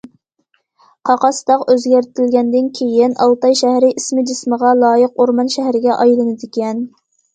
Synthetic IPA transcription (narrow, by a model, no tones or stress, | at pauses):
qʰɑqɑst̪ɑqøzɡʲæɾt̪ʰɪlɡʲɛnd̪ɪnkʲʰejɪnʔɑ̰lˠt̪ɑjʃæhɾɪʔismɪd͡ʒɪsməʁɑlˠɑːjəqoɾmɑnʃæɦɾɪɡʲɛʔɑjlˠɨnɨd̪ɪkʲɛn